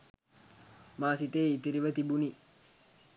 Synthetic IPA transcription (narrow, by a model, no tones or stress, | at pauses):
maːsit̪eːit̪iɾiʋət̪ibuni